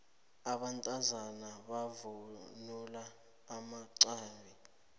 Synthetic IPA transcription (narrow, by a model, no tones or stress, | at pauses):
aɓantʼazanaɓavunulaː | maǀaːli